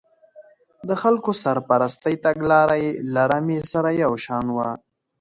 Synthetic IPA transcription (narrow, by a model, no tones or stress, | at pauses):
d̪əxalkosaɾpaɾast̪ajt̪aɡlɑɾajlaɾamesaɾajawʃɑnwa